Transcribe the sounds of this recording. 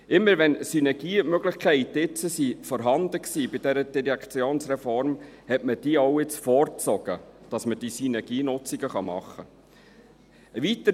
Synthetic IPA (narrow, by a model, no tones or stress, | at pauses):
ʔɪmːəɾʋɛnsynɛɡ̥iːmøɡlɪχkʰχæɪtɪt͡səsifɔɾɦɑnd̥̪əksiːbɪd̥ɛɾəd̥iɾjɛkʰt͡sjoːnsɾɛfɔɾmhɛtməd̥iːoʊɪt͡sfɔɾt͡sɔɡ̥əd̥ɑsməd̥isynɛɡ̥iːnʊt͡siɡ̥əχɑmɑ̰χːə | əʋit̪ə